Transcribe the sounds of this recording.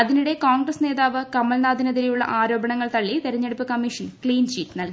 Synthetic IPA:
ɐðiniɽe̞kaːŋɡrɐsne̞ːðaːʋɨkɐmːɐlnaːd̪ʱinɐðiɾejuɭːɐ̰ʔaːɾo̞ːbʱɐɳɐŋːɐɭt̪ɐɭːit̪eɾɐɲːeɽupːɨkɐmːiʂɐnkɭiːnɕiːtːnɐlki

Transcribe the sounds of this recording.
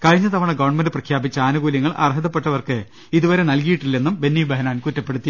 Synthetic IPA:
kɐɻiɲːɐt̪ɐʋɐɳɐɡɐʋɐɳmɐndɨprɐkʰjaːbit͡ɕːɐaːnuɡuːljɐŋːɐɭʔɐ̰rɦɐðɐpːe̞ʈːɐʋɐrkɨ | iðuʋɐɾe̞nɐlkijiʈːilːenːumbe̞nːibɐɦɐnaːnkutːɐpːe̞ɽut̪ːi

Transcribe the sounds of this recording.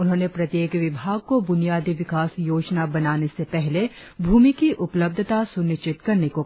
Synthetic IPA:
ʊnɦõːnepɾɐt̪jeːkʋɪbʱaːɡ̚kobʊnijaːd̪iʋɪkaːsjoːd͡ʒnabɐnaːnesepɛɦle | bʱuːmikiʔʊpləb̚d̪ʱt̪asʊnɪʃt͡ʃɪt̪kɐɾneko

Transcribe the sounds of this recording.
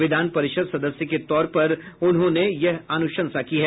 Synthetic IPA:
ʋɪd̪ʱaːnpɐɾɪʃəd̪sɐd̪əsjəket̪ɔːɾpɐɾʊnɦõnejɐɦaːnʊʃə̃nsakiɦɛː

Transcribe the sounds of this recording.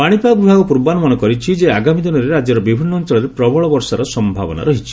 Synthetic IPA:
paɽ̃ipaɡibʱaɡɔpuɾbanɔmɔnɔkɔɾit͡ʃʰid͡ʒeaɡamid̪inɔɾeɾad͡ʒɔɾɔbibʱinːɔːnt͡ʃɔlɔɾepɾɔbʱɔɭɔbɔɾsaɾɔsɔmbʱa̰bɔ̰na̰ɾɔɦit͡ʃʰi̥

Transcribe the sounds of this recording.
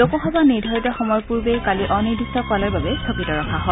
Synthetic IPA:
lokɔxɔbanidʱaɹtɔxɔmɔjpuɹbejkaliʔɔnijdusɔkalaɹbabɛsʰokitɔɹɔxʰaɦɔ

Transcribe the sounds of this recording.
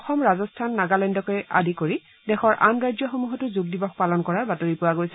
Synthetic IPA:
ɔxɔmɹazɔstʰanːaɡalɛndɔkoja̰dikoɹi | dɛxʰɔɹʔa̰mɹajzɔxomuɦɔtʊzuɡ̚dibɔx̚palɔnkɔɹaɹbatoɹipuwaɡojsɛ

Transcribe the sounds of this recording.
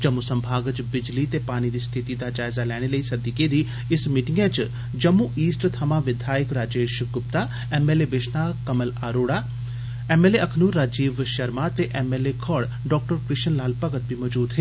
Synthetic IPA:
d͡ʒɐmːusɐmbʱaːɡət͡ʃbɪd͡ʒlit̪epaːñid̪iːst̪ʰɪt̪id̪ad͡ʒaːɪzalɛːɽ̃eləisɐd̪iked̪i | ɪsmiːʈɪŋɡẽt͡ʃ | d͡ʒɐmːuʔiːsʈt̪ʰamaʋɪd̪ʱaːjəkɾaːd͡ʒeːʃɡʊp̚t̪a | eːmeːlebeʃnakɐməlaːɾoːɽaː | eːmeːleʔɐkʰnuɾːaːd͡ʒiːʋʃɐɾmat̪eʔɛmeːlekʰɔɽ | ɖɔːk̚ʈəɾkɾɪʃənlaːlpɐɡət̪̚bʱimɔd͡ʒuːd̪ɦeː

